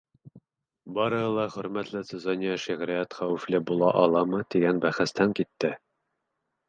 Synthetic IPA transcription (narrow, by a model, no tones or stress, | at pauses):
bɑɾɤ̆hɤlˠɑχɵ̆ɾmæt̪lɘsɘzɑnʲijɑʃiʁɾiæt̪χæwɘ̆flɘbulˠɑʔɒlˠɑmɤt̪iɡænbæχɘ̆st̪æŋkit̪ːɘ